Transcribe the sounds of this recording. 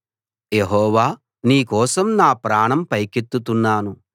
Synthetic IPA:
jeɦɔːʋaː | niːkɔːsɐmnaːpɾaːɳɐmpɐjkit̪ːut̪unːaːnu

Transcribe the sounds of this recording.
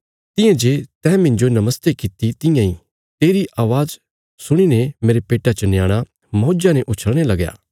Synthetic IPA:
t̪ɪ̃jãd͡ʒeːt̪ɛ̃ːmɪ̃ɲd͡ʒonɐməst̪ekɪt̪it̪ɪjãĩ | t̪eːɾiʔaːʋaːz | sʊɽ̃inemeːɾepeːʈat͡ʃɐnjaːɽ̃a | mɐoːd͡ʒanɛʔʊt͡ʃʰəɽɽ̃elɐɡja̰ː

